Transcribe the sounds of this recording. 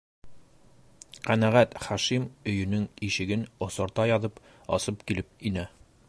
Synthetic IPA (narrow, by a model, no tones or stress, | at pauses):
qænæʁæt̪χæʃimɵ̆jɵ̆nɵŋiʃɘ̆ɡɘnŏsɤ̆ɾt̪ɑjɒðɤp | ɒ̰sɤpkilɘp̚inæ